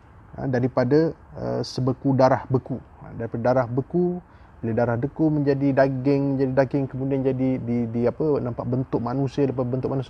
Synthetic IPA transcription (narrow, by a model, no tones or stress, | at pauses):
ə̰daɾipadaə̰səbəkudaɾahbəkṵdaɾipadadaɾahbəku | biladaɾahdəkumə̃ɲd͡ʒadidaɡɪŋməɲd͡ʒadidaɡɪŋkəmudiand͡ʒadididiapənampaʔ̚bənt̪ʊk̚manũsiələpabənt̪ʊk̚manus